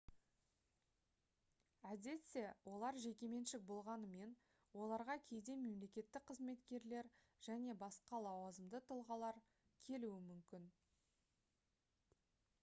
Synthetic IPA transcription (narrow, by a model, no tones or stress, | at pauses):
æd̪e̞t̪se̞wʔo̞lˠɑɾʒe̞kʲe̞me̞nʃɪk̚bo̞lˠʁɑnəme̞n | wo̞lˠɑɾʁɑkʲʰe̞jd̪e̞me̞mle̞kʲe̞t̪ːɪk̚qʰəzme̞t̪kʲe̞ɾle̞ɾ | ʒ̥æne̞bɑsqɑlˠɑwɑzəmd̪ət̪ʰəlˠʁɑlˠɑɾ | kʲʰe̞luɪmʏmkʲɪn